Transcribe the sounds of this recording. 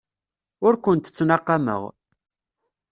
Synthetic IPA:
ʊɾkʷʊnt̪ə̥t͡sːnɑqːɑmə̰ʁ

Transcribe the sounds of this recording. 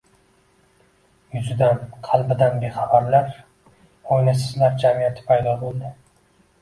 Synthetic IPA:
jʊzɪd̪anqʰɑlˠbɪd̪anbeχɑbaɾlaɾ | ojnasɪzlaɾd͡ʒamijat̪ʰɪ̥pʰajd̪ɒbolˠd̪ɪ

